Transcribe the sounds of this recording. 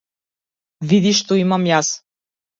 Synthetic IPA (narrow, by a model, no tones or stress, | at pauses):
vid̪iʃt̪ɔimamjas